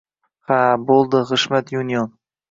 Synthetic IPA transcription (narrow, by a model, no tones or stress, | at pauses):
habolˠd̪ɪʁɨʃmat̪junijon